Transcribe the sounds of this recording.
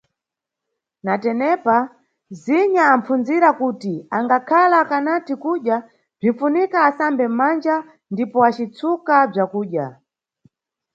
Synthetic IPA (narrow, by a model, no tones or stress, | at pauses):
natɛnɛpa | ziɲaːm̩funziɾakutiaŋɡakʰalakanatikuɗja | b͡ʐinfunikaːsambɛm̩mand͡ʒa | ndipɔat͡ʃit͡sʰukab͡ʐakuːɗja